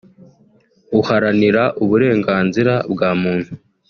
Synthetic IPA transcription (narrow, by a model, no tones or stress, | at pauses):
uhaɾaniɾaʔuβuɾe̞ːŋɡaːnziɾabɡaːmuːn̥hu